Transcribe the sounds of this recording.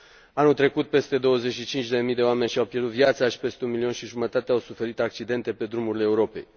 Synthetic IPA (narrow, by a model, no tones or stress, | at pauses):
anult̪ɾe̞kut̪̚pe̞st̪e̞d̪o̞wəze̞ʃit͡ʃint͡ʃʲd̪e̞mijd̪eoame̞nʲʃiawpjerd̪ut̪viat̪saʃi̥pe̞st̪eunmilionʃiʒumət̪at̪eawsufe̞ɾit̪ak̚t͡ʃid̪e̞nt̪e̞pe̞d̪ɾumuɾileːuɾo̞pe̞̰j